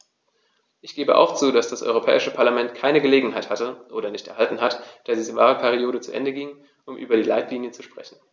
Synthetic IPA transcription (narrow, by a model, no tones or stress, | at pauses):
ʔɪçɡ̥eːbəʔa̰ʊxt͡suːdasd̥asʔɔ̰ʏʁ̞opʰɛ̰ːɪʃəpʰaɐlamɛntkʰaɪnəɡəleːɡŋ̩ɦaɪthatəʔoːɾɐnɪçtɛɐɦaltn̩ɦatd̥aːdiːzəvaːʁəpʰɛʁ̞ioːɾət͡suʔɛ̰ndəɡiŋə | ʔʊmʔy̰ːbɐɾiːlaɪtliːnjət͡suʃpʁ̥ɛ̰çn̩